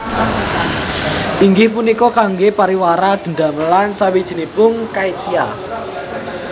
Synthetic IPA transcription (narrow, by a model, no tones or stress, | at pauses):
ʔiŋɡɪhpunikɔkaŋɡepaɾiwaɾad̪̥ə̤nd̪a̤məlansawid̥ʒ̥ə̤nibʊŋkait̪ia